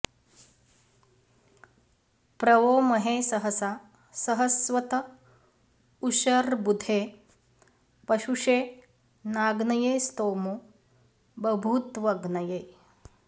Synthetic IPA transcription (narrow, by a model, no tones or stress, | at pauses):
pɾɐʋoːmɐɦeːsɐɦəsa | sɐɦəsʋɐt̪ɐ | uʃɐɾbud̪ʱeː | pɐʃuʂeː | naːɡnɐjeːst̪oːmu | bɐbʱut̪ʋɐɡnɐjeː